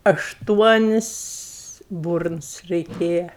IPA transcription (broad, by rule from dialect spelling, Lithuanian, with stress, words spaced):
ɐʃˈtuɔnʲɪs ˈbʊrns rʲɛɪˈkʲeːjɛ